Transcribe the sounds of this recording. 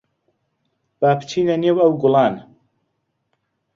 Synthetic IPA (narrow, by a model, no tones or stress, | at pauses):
b̥aːpʰt͡ʃʰiːnɐnewɐwɡʊlɑːn